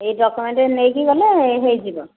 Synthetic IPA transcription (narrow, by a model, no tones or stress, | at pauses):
ejdɔkumɛntɛnejkiɡɔlɛɦejzibɔ